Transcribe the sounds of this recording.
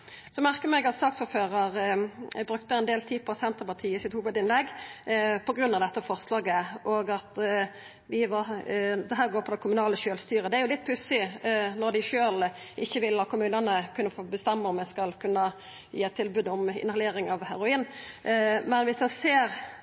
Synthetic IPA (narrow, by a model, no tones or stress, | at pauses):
sɔmæʁkəmɛɡɑt̪sɑkt̪suːɾføːʁɑʁbɾʉk̚t̪əɛɪnd̪eːlt̪ʰiːd̪pʰɔsɛnt̪əʁpɑt̪ʰiːəɪsɪt̪huːʋəd̪ɪnlɛɡ | pʰɔɡɾʉnːɑʋd̪ɛt̪ːəfɔʁslɑːɡəʔɔɡɑt̪ | ʋɪʋɑd̪ɛɦæːɾɡoːɾpʰɔd̪ɛkʰʊmʉnɑːləʃøːlst̪yːɾəd̪ɛæɾjʊlɪt̪̚pʰʉsɪnɔɾd̪æɪʃøːl | ʔɪçːəʋɪlːɑt̪kʊmʉːnənəkʰʉnːəfoːbəst̪ɛmːəɔmjɛskɑlkʰʉnːə | jiːæt̪ʰːɪlbʉːd̪ɔmɪ̰nhɑleːɾɪŋɑʋhæɾʊiːn | mɛnʋɪsd̪ɛnseːɾ